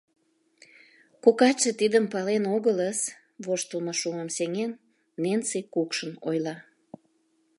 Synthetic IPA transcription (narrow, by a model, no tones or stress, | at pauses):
kukɑt͡ʃət̪id̪əmpɑlenoɣələs | βoʃt̪əlməʃuməmseŋenː | ensikukʃənojlɑ